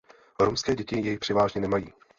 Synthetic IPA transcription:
ɾomskɛːɟɛcɪjɛjɪpr̝̥ɛvaːʒɲɛnɛmajiː

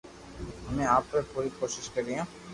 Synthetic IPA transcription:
ɦɐmẽaːpːepuːɾikoːʃɪʃkɐɾiɦãː

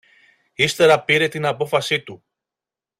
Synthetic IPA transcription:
ist̪e̞ɾɐpiɾe̞t̪inɐpo̞fɐsit̪u

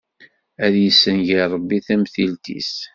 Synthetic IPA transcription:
æðjəsːənʝiɾˤəbːiθæmθilt̪ḭs

